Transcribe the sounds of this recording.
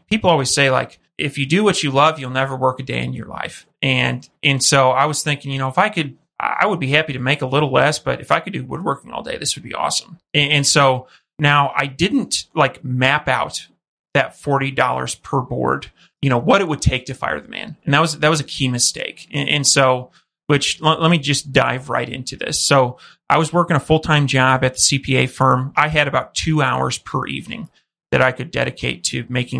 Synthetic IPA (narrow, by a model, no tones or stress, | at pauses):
pʰipl̩ˠɔlˠwiz̥seɪla̰ɪk | ʔɪfjɨdɨwʌt͡ʃɨlʌvjɨl̩ˠnɛvə˞wɜ˞kɨdeɪɨ̰̃njə̰˞la̰ɪf | ɨ̃nʔɨ̃nsoʊaɪwʌz̥θɪ̃ŋkɪ̃ŋjɨnoʊəfaɪkɨd̚ | ʔa̰ɪwəd̚bihæpiɾɨmeɪkəlɪɾl̩ˠlɛsb̥ʌɾɨfaɪkɨdɨwə̰d̚wɜ˞kɪ̃ŋɔ̰lˠdḛɪðɪswɨd̚bḭʔɔ̰sə̃m̩ɨɨ̃nsoʊ | naʊʔa̰ɪdɪdⁿn̩tlaɪkmæpaʊt̪̚ | ðɨtfɔɹɾidɔ̰lˠə̰˞z̥pʰə˞bɔ̰ɹd̥ | jɨñoʊwʌɾɨt̚wəd̚tʰeɪk̚tʰɨfa̰ɪə˞ðəmæ̰̃nɨ̃n̩ðɨt̚wʌzðɨt̚wʌzɨkʰimɨstḛɪkɨʔɨ̃nsoʊ | wɪt͡ʃllɛt̚mid͡ʒʌsd̥a̰ɪvɹa̰ɪɾɪ̰̃ntʰʉðɪ̰soʊ | ʔaɪwʌzwɜ˞kɪ̃ŋəfʊlˠtʰãɪ̃md͡ʒɑbɨt̪̚ðə̥sipʰieɪfɜ̃˞maɪɨɾɨbaʊtʰʉaʊə̰˞z̥pʰə̰˞ʔḭvnɪ̰̃ŋ | ðɨɾaɪkɨdɛ̰ɾɨkʰeɪtʰɨmeɪkɪ̃